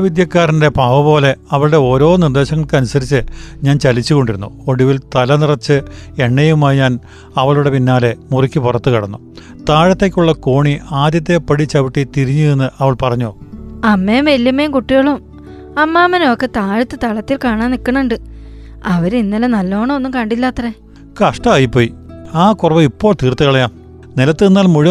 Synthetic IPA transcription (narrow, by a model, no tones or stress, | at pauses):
ʋid̪jɐkːaːrinde̞paːʋɐpo̞ːle̞ɐʋɐɭɨɽe̞o̞ːɾo̞ːnird̪e̞ːɕɐŋːɐɭkɨɐnusɐɾit͡ɕːɨɲaːnt͡ɕɐlit͡ɕːuko̞ɳɖiɾunːuo̞ɽiʋilt̪ɐlɐnirɐt͡ɕːɨe̞ɳːejumaːjɲaːn | ɐʋɐɭuɽe̞pinːaːle̞murikʲːipurɐt̪ːɨkɐɽɐnːu | t̪aːɻɐt̪ːeːkʲːuɭːɐkoːɳiaːd̪jɐt̪̬ːe̞pːɐɽit͡ɕːɐʋiʈːit̪iɾiɲːuenːɨʔɐʋɐɭpɐrɐɲːoːɐmːeːmʋelːɐmːejmkuʈːijoɭum | ɐmːaːmːɐnokːɨt̪aːɻɐt̪ːɨt̪ɐɭɐt̪ːilkaːɳaːnːikːɐɳuɳɖɨ | ɐʋɐɾinːɐlɐnɐlːo̞ːɳɐonːumkɐɳɖilːaːt̪ːɐre | kɐʂʈɐaːjipːoːjiaːkurɐʋɐipːo̞ːɭt̪iːrt̪ːɨkɐɭɐjaːm | nilɐt̪ːɨnːaːlmuɻi